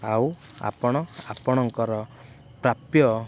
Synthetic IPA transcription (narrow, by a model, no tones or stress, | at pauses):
awa̰pɔɽ̃ɔapɔɽ̃ɔŋkɔɾɔ | pɾapjɔ